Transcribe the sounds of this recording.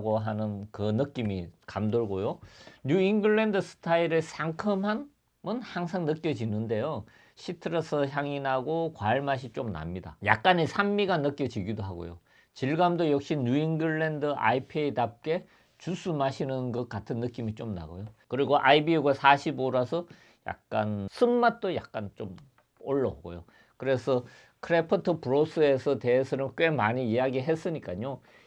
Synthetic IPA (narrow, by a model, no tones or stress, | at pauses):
ɡoɦanɯnkɯnɯk͈imikamdoɭɡojoɲuiŋɡɯɭːe̞ndɯsʰɯ̥tʰaiɾɯsʰaŋkʰɯmɦan | mʌnhaŋsʰaŋnɯk͈jʌd͡ʑinɯnde̞jo | ɕʰitʰɯɾʌsʰʌçjaŋinaɡokwaɭmaɕ̬ʰit͡ɕ͈omna̰mɲida̰ja̰k̚k͈anisʰamːiɡanɯk͈jʌd͡ʑiɡidoɦaɡo̰jo̰ | t͡ɕiɭɡamdojʌk̚ɕ͈iɲuiŋɡɯɭːendɯʔa̰ipʰeidap̚k͈e̞ | t͡ɕusʰumaɕʰinɯnɡʌt̚k͈atʰɯnːɯk͈imit͡ɕ͈omna̰ɡo̰jokɯɾiɡoʔaibiuɡasʰaɕʰiboɾasʰʌ | ja̰k̚k͈ansʰɯmmat̚t͈oja̰k̚k͈ant͡ɕ͈om | oɭːʌoɡo̰jo | kɯɾe̞sʰʌ | kʰɯɾe̞pʰɯtʰɯpuɾos͈ʰɯe̞sʰʌte̞ːsʰʌnɯnk͈we̞maɲiijaɡiɦe̞s͈ɯɲik͈aɲo